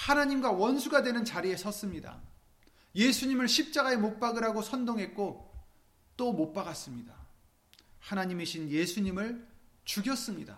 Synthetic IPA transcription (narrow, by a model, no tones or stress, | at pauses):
hanaɲimɡwawʌnsʰuɡadwe̞nɯnt͡ɕaɾie̞sʰʌs͈ɯmɲida̰ | je̞sʰuɲimɯɭɕʰip̚t͡ɕ͈aɡae̞mok̚p͈aɡɯɾaɡosʰʌndoŋɦe̞k̚k͈o | t͈omok̚p͈aɡas͈ɯmɲida | hanaɲimiɕʰinje̞sʰuɲimɯɭt͡ɕuɡjʌs͈ɯmɲida̰